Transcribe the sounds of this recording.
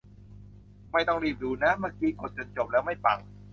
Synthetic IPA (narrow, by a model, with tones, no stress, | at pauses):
ma˥˩jt̪ɔ˥˩ŋliː˥˩p̚duː˨˧˦na˦˥baː˧kʰiː˧ko˨˩t̪̚t͡ɕo˧nt͡ɕo˨˩p̚lɛː˦˥wma˥˩jpa˨˩ŋ